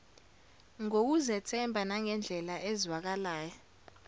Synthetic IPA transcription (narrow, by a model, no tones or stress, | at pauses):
ŋok̬uzɛtʰɛmbʱanaŋɛnd͡ɮʱɛlaʔezwak̬alaːjɔ